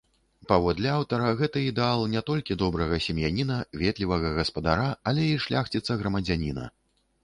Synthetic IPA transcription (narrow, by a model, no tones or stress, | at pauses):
pavɔd̪lʲɛawt̪ɐɾɐɣɛt̪ɨid̪ɛalˠnʲɛt̪ɔlʲkʲid̪ɔbɾɐɣɐsʲɛmjanʲinɐvʲɛt̪lʲivɐɣɐɣɐspɐd̪aɾaːlʲɛiʂlʲʔaxt͡sʲit̪sːɐɣɾɐmɐd͡zʲanʲinɐ̰